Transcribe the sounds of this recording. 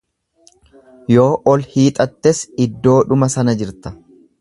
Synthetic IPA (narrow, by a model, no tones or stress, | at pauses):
jo̞ːʔɔlhiːt̪ʼɐt̪ːɛsɪd̪ːo̞ːᶑʊmɐsɐnɐd͡ʒɪɾt̪ɐ̥